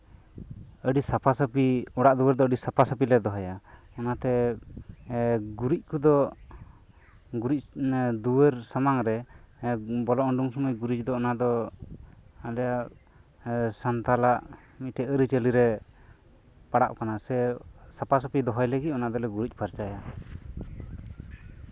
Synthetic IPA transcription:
əɖisapʰasəpiɔɽaʔd̪uwəɾd̪ɔəɖisapʰasapilɛd̪ɔɦɔja | ɔnat̪ɛ | ɡuɾic̚ˀkud̪ɔ | ɡuɾic̚d̪uwəɾsamaŋɾɛ | bɔlɔʔɔɳɖuŋsɔməjɡuɾit͡ʃ̚d̪ɔːnad̪ɔ | alɛjaʔ | sant̪alaʔ | mit̪̚ʈɛəɾit͡ʃəliɾɛ | paɽa̰ʔkanasɛsapas̬apid̪ɔɦɔjləɡic̚ɔnad̪ɔlɛɡuɾic̚ˀpaɾt͡ʃaja

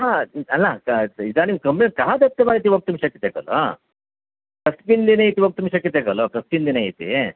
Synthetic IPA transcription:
ɦaɐlːakid̪animkɐmbikaɦad̪ɐt̪ːɐmaːɾit̪̬iʋok̚t̪umʃɐkːit̪ekɐ̰lo̰ | kɐspind̪inɐjit̪iʋok̚t̪umʃɐkːit̪eːkɐloːkɐspind̪inɐjit̪ḭ

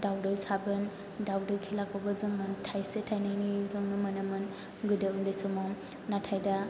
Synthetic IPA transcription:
dawdɔjsabɯn | dawdɔjkʰilaɡɔbɯzɯŋɯntʰajsetʰajnajnizɯŋɯmɯnɯmɯn | ɡɯdɯundajsɔmam | natʰajda

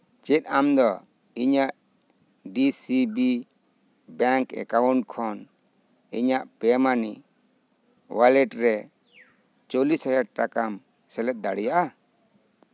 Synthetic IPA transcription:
t͡ʃit̪̚amd̪ɔ | iɲaʔ | ɖisibi | baŋkɛ̰kawuɳkʰɔn | iɲaʔpɛmani | walɛʈɾɛ | t͡ʃolishɔjaɾ̚ʈakam | sɛlɛt̪̚d̪aɽɛjaʔa

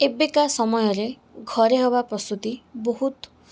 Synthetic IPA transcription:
ebekasɔmɔjɔɾe | ɡʱɔɾeɦɔbapɾɔst̪ut̪iboɦut̪

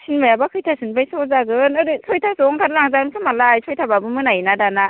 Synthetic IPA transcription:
sinmajabakʰɯjtʰasɯnbajsɔzaɡɯnɯɾisʰojtʰasɔŋkʰaɾlaŋzaɡɯnkʰɯmalajsʰojtʰababɯmɯnajnadana

